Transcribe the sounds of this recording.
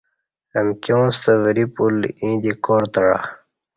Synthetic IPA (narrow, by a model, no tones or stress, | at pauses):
əmkʲjõːst̪əvəɾipulĩːd̪ikoːɾt̪əɽa̰